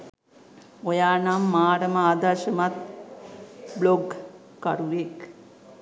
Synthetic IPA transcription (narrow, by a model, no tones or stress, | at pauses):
ojaːnamːaːɾəmaːd̪aʃəmat̪ | bloɡ | kaɾuʋek